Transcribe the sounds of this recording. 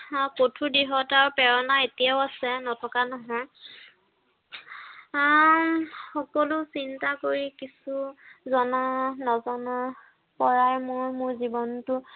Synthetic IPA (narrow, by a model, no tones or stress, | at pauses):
potʰudiɦɔtaɹpɛɹɔnaetijaʊasɛnɔtʰɔkanɔɦɔj | xɔkɔlusintakoɹikisuzɔnanɔzɔna | pɔɹajmʊɹmʊɹzibɔntʊ